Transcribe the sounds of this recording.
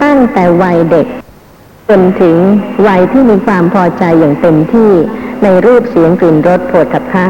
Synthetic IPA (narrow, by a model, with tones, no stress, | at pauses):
t̪a˥˩ŋt̪ɛː˨˩wa˧jde˨˩k̚ | t͡ɕo˧nt̪ʰɯ˩˦ŋwa˧jt̪ʰiː˥˩miː˧kʰwaː˧mpʰɔː˧t͡ɕa˧jːaː˨˩ŋt̪e˧mt̪ʰiː˥˩na˧jɾuː˥˩p̚si˩˦əŋkli˨˩nɾo˦˥t̪̚pʰoː˨˩t̪̚kʰa˨˩p̚kʰa˦˥